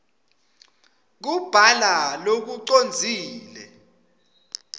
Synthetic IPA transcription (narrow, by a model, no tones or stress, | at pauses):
k̬ub̥ʱalalok̬uǀond͡zʱiːlɛ